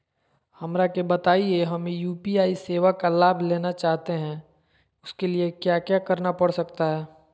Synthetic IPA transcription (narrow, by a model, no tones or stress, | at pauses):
hɐmɾakebɐt̪aːieɦɐmjuːpiaːiseːʋakalaːbʱleːnat͡ʃaːɦt̪eɦɛ̃ | ʊskeliekjaːkjakɐɾnapɐɽsɐkt̪aɦɛː